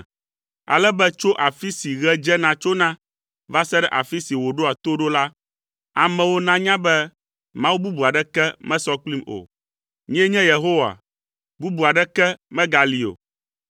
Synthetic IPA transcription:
a̰˨lɛ˦bɛ˦t͡ʃo˦ʔa˨fi˦si˨ɣɛ˦d͡ʒɛ˦nã˨t͡ʃo˦nã˦ | va˦sɛ˦ɖɛ˦ʔa˨fi˦si˨wo˨ɖo˦a˨t̪o˦ɖo˦la˦ | a˨mɛ̃˨wo˦nã˦ɲã˦bɛ˦ | mã˦wu˦bu˦bu˨a˨ɖɛ˦kɛ˦mɛ̃˦sɔ˦k͡pli˦mo̰˨ | ɲĩ˦ɛ˦ɲɛ̃˦je˨ɦo˦wa̰˨ | bu˦bu˨a˨ɖɛ˦kɛ˦mɛ̃˦ɡa˨li˨o̰˨

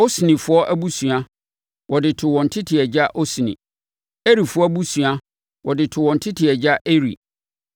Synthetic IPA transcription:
o˦snĩ˨fʊ˦ɔ˦ʔæ˦bu˦sũ˨a˦ | wʔɔ˨dɪ˨tʰʊ˨wɔ̃˨n̩˨tʰɪ˦tʰɪ˨ɛ˨d͡ʑa˦ʔo˦si˨nḭ̃˨ | e˦ɾi˨fʊ˦ɔ˦bu˦sũ˨a˦ | wɔ˨dɪ˨tʰʊ˨wɔ̃˨n̩˨tʰɪ˦tʰɪ˨ɛ˨d͡ʑa˦ʔe˦ɾḭ˨

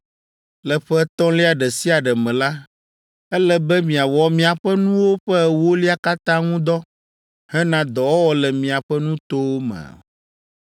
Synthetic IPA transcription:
lɛ˨ɸɛ˦t̪ɔ̃˦li˦a˨ɖɛ˨si˦a˨ɖɛ˨mɛ̃˨la˦ | ɛ˦lɛ˦bɛ˦mĩ˨a˨wɔ˨mĩ˨a˨ɸɛ˦nũ˦wo˦ɸɛ˦˨wo˦li˦a˦ka˦t̪ã˦ŋũ˦d̪ɔ˦ | hɛ˦nã˦d̪ɔ˨wɔ˦wɔ˦lɛ˨mĩ˨a˨ɸɛ˦nũ˦t̪o˦wo˦mɛ̰̃˨

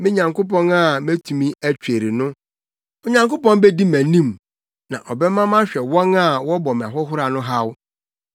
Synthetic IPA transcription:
mɪ̃˦ɲã˨ŋko˦pɔ̃˦na˦˨mæ̃˦tʰũ˨mĩ˦æ˦t͡ɕᶣe˨ɾi˨nʊ̃˦ | ɔ˨ɲã˨ŋko˦pɔ̃˦nbɛ˦di˦mæ̃˨nĩ˦m | nã˨ʔɔ˨bɛ˦mã˦mã˦ɕᶣɛ˨wɔ̃˦na˦˨wɔ˦bɔ˨m˨a̰˨ɦɔ˦ɦʊ˦ɾa˨nʊ̃˦ɦa˦w

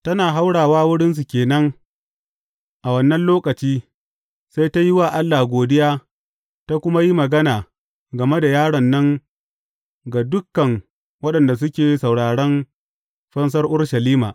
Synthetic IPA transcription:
tɐ˦naː˨ɦa˦wɽaː˨waː˦wʊ˦ɽɪ˦ns̬u˨kʲeː˨nɐ˦ŋ | ʔa˨wɐ˦nːɐ˦nloː˦kɐ˨t͡ʃiː˦ | sa˦jta˦ji˦waː˨ʔa˦lːaː˨ɡʷoː˨dɪ˦jaː˦ | ta˦kʷʊ˦ma˦ji˦mɐ˨ɡɐ˦naː˨ | ɡɐ˨me˦da˨jaː˦ɽɐ˨nːɐ˦ŋ | ɡa˨dʊ˦kːɐ˨ŋ | wɐ˦ɗɐ˨nda˨s̬ʊ˦kʲeː˨jsɐ˨wɽaː˨ɽɐ˦n | ɸɐ˦ns̬ɐ˦rʔʊ˦rʃɐ˨liː˦ma̰ː˨ʔ

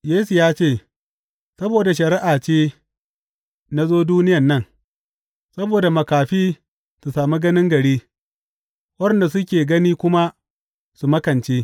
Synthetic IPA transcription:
jeː˦su˨jaː˦t͡ʃeː˦˨ | sɐ˦boː˨da˨ʃɐ˨ɾɪ˦ʔaː˨t͡ʃeː˦ | na˦zoː˦duː˦nɪ˦jɐ˨nːɐ˦˨ŋ | sɐ˦boː˨da˨mɐ˨kaː˨ɸiː˦ | su˨saː˨mi˦ɡɐ˦nɪ˦ŋɡɐ˨ɽiː˦ | wɐ˦ɾɛ˨nda˨sʊ˦kʲeː˨ɡɐ˦niː˦kʷʊ˦ma˦ | su˨mɐ˦kɐ˨nt͡ʃeː˦

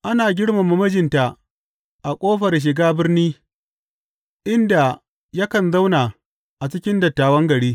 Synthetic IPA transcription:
ʔa˦naː˨ɡʲɪ˦ɽma˨mu˦mɐ˦d͡ʒɪ˨nta˨ | ʔa˨kʷʼoː˦ɸɐ˨rʃ̬ɪ˨ɡaː˦bɪ˦rniː˦ | ʔɪ˦nda˨ | jɐ˦kɐ˨nza˦wnaː˨ | ʔa˨t͡ʃɪ˦kʲɪ˦ndɐ˨tːaː˨wɐ˦ŋɡɐ˨ɽiː˦

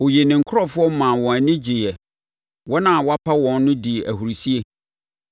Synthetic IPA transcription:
o˨je˨nɪ̃˨ŋ̩˨kʰʊ˦ɔ˦fʊ˦ɔ˦mã˨wɔ̃˨æ˨nɪ̃˦d͡ʑi˨jɛ˨ | wɔ˦nã˨wɔ˦a˦pʰa˦wɔ̃˨nːʊ̃˦di˨ʔæ̰˨hu˨ɾi˨si˦e˦

